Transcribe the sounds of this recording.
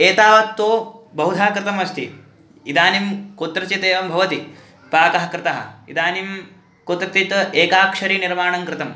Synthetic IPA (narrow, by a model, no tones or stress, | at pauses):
eːt̪aːʋɐk̚t̪ːoːbɐɦud̪ʱaːkɾɪt̪ɐmɐst̪ʰḭ | id̪aːnimkot̪ɾɐt͡ʃit̪eːʋɐmbʱɐʋɐt̪i | paːkɐɦɐkɾɪt̪ɐɦɐ̰ḭd̪aːnim | kot̪ɾɐt̪it̪eːkaːkʂɐɾiːniɾmaːɳɐŋkɾɪt̪ɐm